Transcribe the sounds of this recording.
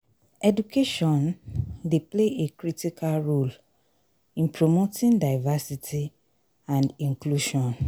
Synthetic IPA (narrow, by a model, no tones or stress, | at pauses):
ɛdukʰeʃɔ̃ndepleʔekɾitikʰalɹol | ĩnpɹomotĩŋdaɪvasitʰi | ãndĩŋkluʃɔ̃n